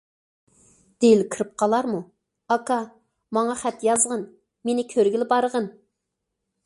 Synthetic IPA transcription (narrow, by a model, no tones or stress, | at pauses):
d̪̥elkʰɨɾɨp̚qʰɑlˠɑɾmu | ɑkɑ | mɑŋɑχɛt̪jɑzʁɑn | menɪkʲʰøɾɡʲilɪbɑɾəʁən